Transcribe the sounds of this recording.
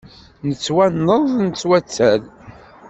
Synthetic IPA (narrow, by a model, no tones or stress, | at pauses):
nət͡sːwænːəðˤnət͡sːwæt͡sːæl